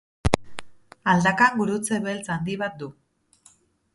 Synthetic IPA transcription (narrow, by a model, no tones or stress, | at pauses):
ald̪akaŋɡuɾut͡seβe̞lt͡sand̪iβat̪̚d̪u